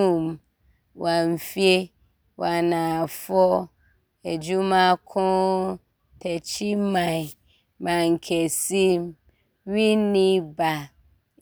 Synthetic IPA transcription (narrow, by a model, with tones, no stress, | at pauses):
u˦m | wa˨m̩˨fi˦e˦ | wa˨nã˨fɔ˦ | e˨d͡ʒu˦mã˦kʰɔ̃˦ | tʰɛ˨t͡ɕʰi˦mã˨ | mã˨ŋ̩˨kʰɛ˨si˦m | wi˦nĩ˦ba˨